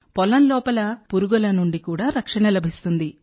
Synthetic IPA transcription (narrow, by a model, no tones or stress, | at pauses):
pɔlɐnlɔːpɐlɐpuɾuɡɐlɐnuɳɖikuːɽaːɾɐkʂɐɳɐlɐbʱist̪und̪i